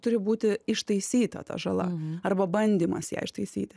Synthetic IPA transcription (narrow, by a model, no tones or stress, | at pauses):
t̪ʊɾʲɪbuːt̪ʲɪɪʃt̪ɐɪsʲiːt̪ɐ̰t̪ɐ̰ʒɐlˠɐ̰ɐrbɐbɐnʲd̪ʲiːmɐsjɛ̰ɪɪʃt̪ɐɪsʲḭːt̪ʲɪ